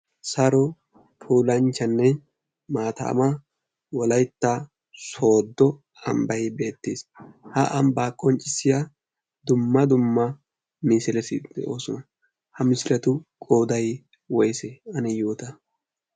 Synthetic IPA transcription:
sɐɾɔ | pʰuːlɐnt͡ʃːɐnːɛ | maːt̪ɐ̰ʔːmɐ | wɔlɐjt̪ːɐ | so̞ːd̪ːɔ | ɐmbɐjbe̞ːt̪ːeːshɐʔɐmbaːkʼːɔnt͡ʃʼɪsːɪjɐ | d̪ʊmːɐd̪ʊmːɐ | miːsɪlɛsɪd̪̥ɛ̰ʔo̞ːsɔnɐ | hɐmɪsɪɾɐt̪ʊkʼoːd̪ɐj | wɔjsɛɐnɛjoːt̪ɐ

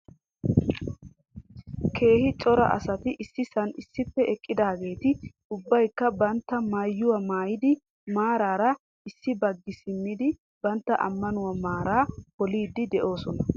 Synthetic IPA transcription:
kʰe̞ːhɪt͡ʃʼɔɾɐ̰ʔɐ̰sɐt̪ɪʔɪsːɪsɐnɪsːɪpːɛʔɛkʼːɪd̪aːɡe̞ːt̪ɪ | ʊbːɐjkːɐbɐnt̪ːɐmajːʊwɐmaːjɪd̪ɪ | maːɾaːɾɐ | ɪsːɪbɐɡːɪsɪmːɪd̪ɪ | bɐnt̪ːɐʔɐ̰mːɐnʊwɐmaːɾaːkɔliːd̪ːɪd̪ɛʔo̞ːsɔnɐ

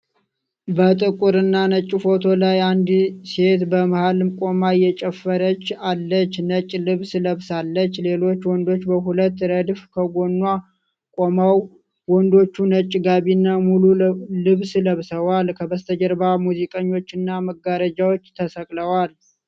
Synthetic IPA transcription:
bət̪ʼɨkʼuɾɨnːanət͡ʃʼːɪfo̞t̪ʰo̞lajand̪se̞t̪bəməhalmkʼo̞majːɛt͡ʃʼɛfːəɾət͡ʃːalːət͡ʃːnət͡ʃʼːlɨβsləβsalːət͡ʃːle̞lo̞t͡ʃːwɔnd̪o̞t͡ʃːbəɦulət̪ːɾəd̪fkʰəɡo̞nːwa | kʼomaw | wɔnd̪o̞t͡ʃːunət͡ʃʼːɡaβinːamululɨβsləβsəwalkʰəbəst̪ʰəd͡ʒəɾbamuzikʼəɲːo̞t͡ʃːɪnːaməɡaɾəd͡ʒawot͡ʃːt̪ʰəsəkʼləwal

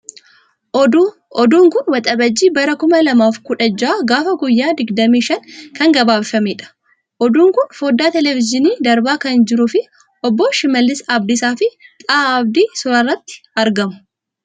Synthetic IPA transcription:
ɔd̪uːŋkʊnwɐt̪ʼɐbɐd͡ʒːiːbɐɾɐkʊmɐlɐmaːfkʊᶑɐd͡ʒaːɡaːfɐɡʊjːaːd̪ɪɡd̪ɐmiːʃɐŋkɐŋɡɐbaːbfɐmiːᶑɐ̥ | ʔɔd̪uːŋkʊnfoːd̪ːaːt̪ɛlɛfɪd͡ʒɪniːd̪ɐɾbaːkɐnd͡ʒɪɾʊfɪ | ɔbːɔʃɪmɐlːɪsɐɐb̚d̪isaːfɪt̪ʼaːɐbd̪iːsʊɾɐrːɐt̪ːɪ̥ɐɾɡɐmʊ̥

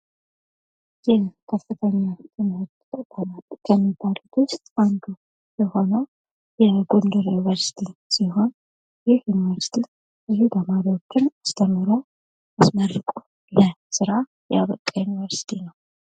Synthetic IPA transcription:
jɛkʰəfːɨt̪ʰəɲːat̪ʰʼɨnt̪ʼ | bəmalkʰəmːibːalut̪ʰʊst̪ʼand̪u | jɛho̞nəw | jɛɡond̪uɾjunivəɾsi̥t̪ʰisiɦo̞n | jɪhjunivəɾsi̥t̪ʰi | ɨɦebəmaɾiot͡ʃːɨnt͡ʃast̪ʰʼəmːɨɾo | asmərɨkʼu | ləsɨɾa | jɛa̰βəkʼːajunivəɾsi̥t̪ʰinəw

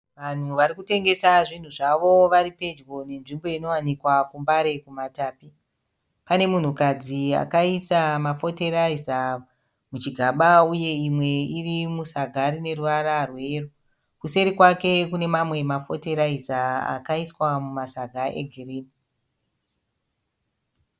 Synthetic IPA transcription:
ʋan̤uʋaɾikute̞ŋɡe̞saʐin̤uʐaʋo̞ʋaɾipe̞d͡ʒwo̞ne̞nʐimbo̞ino̞wanikwakumbaɾe̞kumataːpi | pane̞mun̤ukad͡zia̰kaisamafo̞teɾaiza | mut͡ʃiɡʱaɓauje̞imwe̞irimusaɡʱaɾine̞ruʋaɾarwe̞ːro | kuse̞ɾikwake̞kune̞mamwe̞mafo̞te̞ɾaizaa̰kaiswamumasaɡʱaʔe̞̰ɡʱiriːni

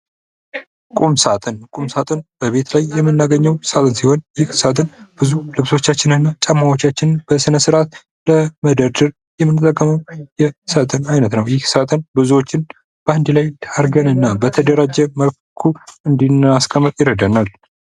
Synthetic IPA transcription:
kʼumsat̪ʼɨnkʼumsat̪ʼɨnb̥əβe̞t̪lajːɛmːɨnːaɡəɲːəwsat̪ʼɨnsiho̞njɪhsat̪ʼɨnb̥ɨzulɨβso̞t͡ʃːat͡ʃːɪnɨnːat͡ʃʼəmːawo̞t͡ʃːat͡ʃːɪnb̥əsɨnəsɨɾʔat̪ | ləməd̪əɾd̪ɨɾ | jɛmːɨnːɨt̪ʼːəkʼːəməwjɛsat̪ʼɨnajnət̪nəwjɪhsat̪ʼɨnbɨzuwo̞t͡ʃːɪn | b̥əand̪ilajd̪ʰaɾɡənɨnːabət̪ʰəd̪əɾad͡ʒɛməf | kʰuɨnd̪inaskʰʼəmːɨt̪ʼjɪɾəd̪ənal

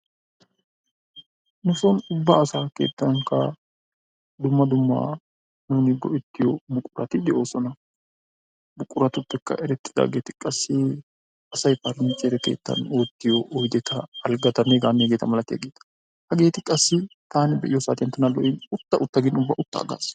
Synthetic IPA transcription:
nʊsɔnʊbːaːsaːke̞̰ːt̪ːɐnɐŋkːɐ | d̪ʊmːɐd̪ʊmːɐ̰ | nuːnɪɡɔʔɛt̪ːɪjɔbʊkʼːʊɾɐ̰t̪ɪd̪ɛʔo̞ːsɔnɐ | bʊkʼːʊɾɐt̪ʊpːɛkːɐ̰ʔɛɾɛt̪ʼːɪ̥d̪ɐ̰ɡeːt̪ɪ̥kʼɐsːɪ | ɐsɐjpɐɾɪnt͡ʃʼɛɾɛkḛːt̪ːɐ̰no̞ːt̪ːɪjɔʔɔjd̪ɛt̪ʰɐɐlɡɐt̪ɐnːɛɡaːnːɛɡeːt̪ɐmɐlɐt̪ːɪjɐ̰ɡeːt̪ɐ̥ | hɐɡe̞ːt̪ɪkʼɐsːɪt̪aːnɪbɛʔɪjɔsa̰ːt̪ɪjɐnt̪ːɐnɐlɔ̰ʔɪnʊt̪ːɐʔʊt̪ːɐɡɪnʊbːɐʔʊt̪ːɐ̰ɐ̰ɡa̰ːs

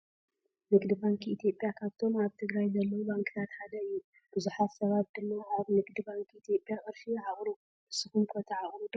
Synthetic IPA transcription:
nɨɡd̪ɨbaŋkit̪ʰijo̞pʼːjakʰaβt̪ʰo̞maβt̪ʰɨɡɾajzɐlːɐwubaŋkʰʼɨt̪ʰat̪ħad̪ɐɨjːu | b̥ɨzuħat̪sɐβat̪̚d̪ɨmːɐʔaβnɨɡd̪ɨbaŋkʰit̪ʰijo̞pʼjakʼɨɾfiʕaχʼɾu | ɨsɨxumkʰot̪ʰɐʕaχʼɾud̪

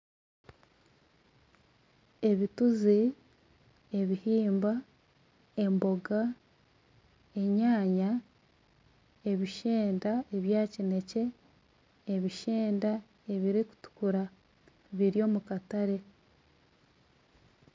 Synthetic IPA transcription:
e̞βituzi | e̞βihiːmba | e̞mbo̞ɡa | e̞ɲaːɲa | e̞βiʃeːndae̞βjaːcine̞ce̞ː | βiʃeːnda | e̞βiɾiku̥tu̥kuɾa | βiɾjo̞ːmukataɾe̞

